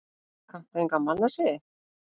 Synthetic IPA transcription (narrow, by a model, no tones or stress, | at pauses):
kat̪ejŋkamalase